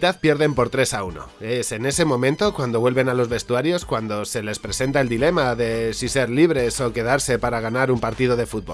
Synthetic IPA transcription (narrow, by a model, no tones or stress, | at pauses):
t̪aðpje̞ɾðe̞mpo̞ɾt̪ɾe̞sauno̰e̞se̞ne̞se̞mõ̞mẽnt̪o̞kwand̪o̞βwe̞lβe̞nalo̞zβe̞st̪uaɾjo̞skwand̪o̞se̞le̞spɾe̞se̞nt̪aeld̪ile̞maðe̞sise̞ɾliβ̞ɾe̞so̞ke̞ðaɾse̞paɾaɣ̞anaɾumpaɾt̪iðo̞ðe̞fut̪̚bo